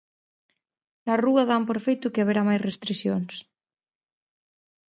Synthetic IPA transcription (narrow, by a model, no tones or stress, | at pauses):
laruaðampoɾfejt̪ukeaβeɾamajsrest̪ɾisjons